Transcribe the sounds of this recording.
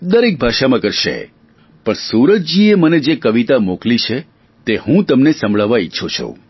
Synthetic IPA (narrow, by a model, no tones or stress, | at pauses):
d̪əɾek̚bʱaʃamãkəɾʃḛ | pəɳsuɾət̪̚d͡ʒieməned͡ʒekəʋit̪amoklit͡ʃʰe | t̪ehũt̪əmnesə̃mbɭaʋaitːʃʰot͡ʃʰo̰